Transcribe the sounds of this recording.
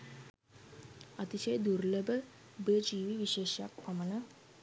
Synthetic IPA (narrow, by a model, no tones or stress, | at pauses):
ɐt̪iɕəjd̪uɾləbə | bəd͡ʒiʋiʋiɕeːɕja̰kpɐməna